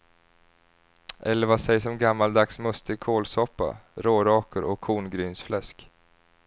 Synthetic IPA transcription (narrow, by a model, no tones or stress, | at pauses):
ʔɛlːəɾvasɛjsɔmɡamːald̪aksmɵst̪əɡkʰoːlsɔpːa̰ɾoːɾɑːkəɾʔɔ̰kʰːuːnɡɾyːnsflɛsk